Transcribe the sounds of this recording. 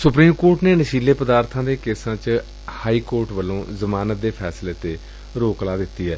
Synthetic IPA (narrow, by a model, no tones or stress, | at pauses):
sʊpɾiːmkoːɾʈneːnəʃiːleːpəd̪aːɾt̪ʰãːd̪eːkeːsãːt͡ʃ | haːiːkoːɾʈʋəlːõːzəmaːnət̪̚d̪eːpʰɛːsleːt̪eː | ɾoːklaːd̪ɪt̪ːiːɦɛː